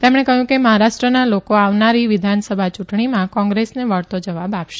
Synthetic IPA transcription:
t̪emɽ̃ekəɦjũkeməɦaɾaʃʈɾənalokoaʋnaɾiʋɪd̪ʱansəbʱat͡ʃuʈɳimãkɔ̃ŋɡɾesneʋəɭt̪od͡ʒəʋabapʃe

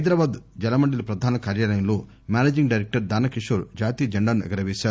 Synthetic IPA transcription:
ɐjd̪ɾaːbaːd̪d͡ʒɐlɐmɐɳɖilɐpɾɐd̪ʱaːnɐkaːɾjaːlɐjɐmloː | mʲjaːneːd͡ʒiŋɡɖɐjɾek̚ʈɐɾd̪aːnɐkiʂoɾd͡ʒaːt̪iːjd͡ʒɐɳɖaːnuɛ̰ɡɐɾɐʋeːʃaːɾu

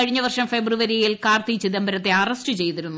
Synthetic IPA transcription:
ɐɻiɲːɐʋɐrʂɐmfebruʋɐɾijilkaːrt̪it͡ɕːid̪ɐmbɐɾɐt̪ːe̞ɐrɐsʈɨt͡ɕe̞jt̪iɾunːu

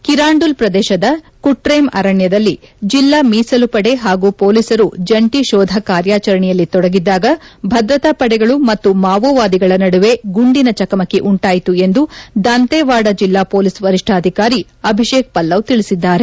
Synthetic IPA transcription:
kiɾaːɳɖulpɾɐd̪ɛːʃɐd̪ɐ | kuʈɾeːmɐ̰ɾɐɳjɐd̪ɐlːid͡ʒilːamiːsɐlupɐɽe̞ɦaːɡuːpoːlisɐɾud͡ʒɐɳʈiʃɔːd̪ʱɐkaːɾjaːt͡ʃɐɾɐɳɛjɐlːit̪ɔɽɐɡid̪ːaːɡɐbʱɐd̪ɾɐt̪ɐpɐɽɛɡɐɭumɐt̪ːumaːʋoːʋaːd̪iɡɐɭɐnɐɽuʋe̞ɡuɳɖinɐt͡ʃɐkɐmɐkːeʔuɳʈaːjit̪ue̞nd̪ud̪ɐnt̪eːʋaːɽɐd͡ʒilːaːpoːlisʋɐɾiʂʈʰɐːd̪ʱikaːɾi | ɐbʱiʃeːk̚pɐlːɐʋt̪iɭisid̪ːaːɾe̞

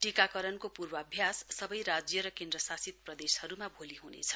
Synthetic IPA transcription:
ʈikakʌɾʌnkopurbʌʌbʱjasːʌbʌjɾad͡zjʌɾʌkend̪rʌsasit̪̚prʌd̪eshʌɾumabʱoliɦunḛt͡sʰʌ̥

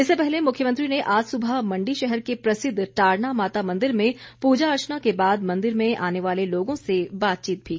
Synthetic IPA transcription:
ɪsːepɛɦlemʊkʰjəmə̃nt̪ɾineʔaːd͡ʒsʊbʱamɐ̃ɳɖiʃɛɦɛɾkepɾɐsɪd̪ʱːʈaːɾnamaːt̪amɐ̃nd̪ɪɾmẽpuːd͡ʒaɐɾt͡ʃənakebaːd̪mɐ̃nd̪ɪɾmẽʔaːneʋaːleloːɡõsebaːt̪̚t͡ʃiːt̪̚bʱiː

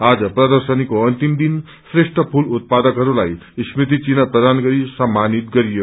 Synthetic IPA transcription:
ad͡zʌprʌd̪ʌrsʌnikoʌnt̪imd̪in | sreʂʈʌpʰulut̪̚pad̪ʌkɦʌɾulaj | smit̪̬it͡sinʌpɾʌd̪ʱanɡʌɾisʌmːanit̪ɡʌɾijo

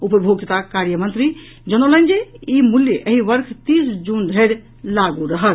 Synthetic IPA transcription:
upəbʱoɡjət̪akaɾjəmənt̪ɾi | d͡ʒənolə̃nd͡ʒeimuljəʔəɦiʋəɾkʰt̪isd͡ʒund̪ʱeɪɾ | laɡuɾəɦəl

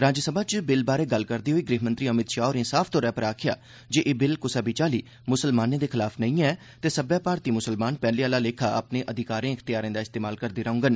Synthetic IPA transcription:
ɾaːd͡ʒsəbaːt͡ʃbɪlbaːɾeːɡəlkəɾd̪iːɦoːiːɡɾiːɦmə̃nt̪ɾiːəmɪt̪ʃaːoːɾɪ̃nsaːfʰt̪õːɾɛːpəɾaːkʰɪja̰ː | d͡ʒeʔeːbɪlkʊsaːbit͡ʃaːliː | mʊsəlmaːnẽːd̪eːkʰɪlaːpʰnəĩːɛː | t̪eːsəbjaːpaːɾt̪iːmʊsəlmaːnpɛːliaːlaːleːkʰaːʔəpnẽːʔəd̪ʱɪkaːɾẽːɪkʰt̪ɪjaːɾẽːd̪aːɪst̪eːmaːlkəɾd̪iːɾəʊ̃ŋɡən

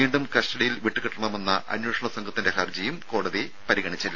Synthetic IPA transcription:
iːɳɖumkɐsʈɐɽijilʋiʈːɨkiʈːɐɳɐme̞nːɐʔɐ̰njoːʂɐɳɐsɐŋɡʱɐt̪ːinde̞hɐrd͡ʑɐjumkoːɽɐði | pɐɾiɣɐɳit͡ɕːilː

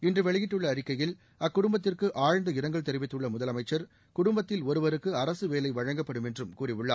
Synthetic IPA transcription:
ɪndrɯʋɛɭɪjɪʈːɯɭːɐːɾɪkːɐjɪl | ɐkːʊɽʊmbɐt̪ːɪrkɯʔaːɻnd̪ɐɪɾɐŋɡɐɭt̪ɛɾɪʋɪt̪ːɯɭːɐmʊðɐlɐmɐɪt͡ʃːɐɾ | kʊɽʊmbɐt̪ːɪlɔɾɯʋɐɾɯkːɯɐɾɐsɯʋeːlɐɪʋɐɻɐŋɡɐpːɐɽɯmɛndrɯmkuːrɪʋɯɭːa̰ː

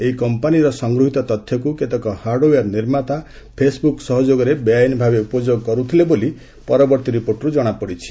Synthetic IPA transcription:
eikɔmpaniɾɔsɔŋɡɾuɦit̪ɔt̪ɔt̪ʰjɔkuket̪ɔkɔhaɾɖojaɾniɾmat̪a | pʰesbuksɔɦɔd͡ʒoɡɔɾebjajnbʱabeupɔd͡ʒoɡɔkɔɾut̪ʰileboli | pɔɾɔbɔɾt̪iɾipoɾʈɔɾud͡ʒɔɽ̃apɔɽit͡ʃʰi̥

